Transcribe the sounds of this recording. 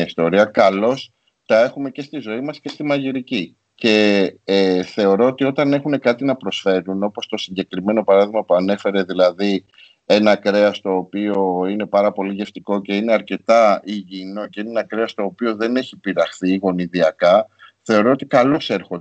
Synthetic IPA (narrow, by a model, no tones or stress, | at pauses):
ɐist̪o̞ɾiɐkɐlo̞s | t̪ɐe̞xume̞ce̞st̪izo̞imɐsce̞st̪imɐʝiɾici | ce̞ | θe̞o̞ɾo̞ot̪io̞t̪ɐne̞xune̞kɐt̪inɐpɾo̞sfe̞ɾuno̞po̞st̪o̞siɲɟe̞kɾime̞no̞pɐɾɐðiɣmɐpuɐne̞fe̞ɾe̞ðilɐði | e̞nɐkɾe̞ɐst̪o̞ːpio̞ine̞pɐɾɐpo̞liʝe̞ft̪iko̞ce̞ine̞ɐɾce̞t̪ɐiʝino̞ceineenɐkɾeɐst̪o̞ːpio̞ðe̞ne̞çipiɾɐxθiɣo̞niðiɐkɐθe̞o̞ɾo̞ot̪ikɐlo̞se̞ɾxo